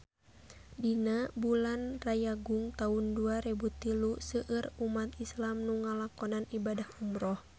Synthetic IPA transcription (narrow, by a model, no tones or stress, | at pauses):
dinabulanrajaɡuŋt̪aunduaɾɛbut̪ilusəʔərumat̪islamnuŋalakɔnanibadahumɾɔh